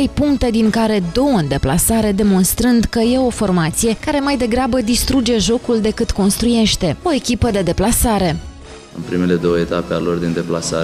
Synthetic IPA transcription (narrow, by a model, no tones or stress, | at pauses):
ejpuŋkt̪e̞d̪iŋkaɾe̞d̪o̞wəɨnd̪e̞plasaɾe̞d̪e̞mo̞nst̪ɾɨnd̪kəje̞o̞fo̞rmat̪sije̞kaɾe̞majd̪e̞ɡɾabəd̪ist̪ɾud͡ʒe̞ʒo̞kuld̪e̞kɨt̪ko̞nst̪ɾuje̞ʃt̪e̞o̞e̞kʲipəd̪e̞d̪e̞plasaɾe̞ | ɨ̰npɾime̞le̞d̪o̞wəet̪apealo̞rd̪ind̪e̞plasa